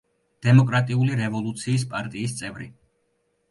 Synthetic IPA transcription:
d̪̥ɛmɔkʼɾat̪ʼiuliɾɛvɔlˠut̪sʰiːs̬pʼaɾt̪ʼiːst̪sʼɛvɾḭ

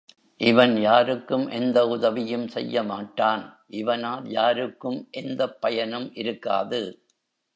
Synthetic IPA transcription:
ʔɪʋɐnjaːɾɯkːɯmʔɛnd̪ɐʊðɐʋɪjɯmsɛ̰jːɐmaːʈːaːnʔɪʋɐnaːljaːɾɯkːɯmʔɛnd̪ɐpːɐjɐnɯmʔɪɾɯkːa̰ːðɯ

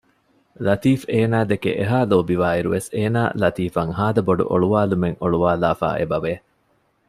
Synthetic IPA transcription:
lɐt̪iːfeːnaːd̪ekḛʔeɦaːloːbiʋaːiɾuʋeseːna̰ːlɐt̪iːfɐŋɦaːd̪ɐboɖṵʔo̰ɭuʋaːlumeŋʔoɭuʋaːlaːfa̰ːʔḛbɐʋeː

